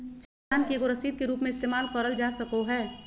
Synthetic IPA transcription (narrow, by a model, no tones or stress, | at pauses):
t͡ʃ | aːnkieɡoɾɐsiːd̪̚keɾuːpmẽɪst̪eːmaːlkəɾəld͡ʒaːsɐkoɦɛː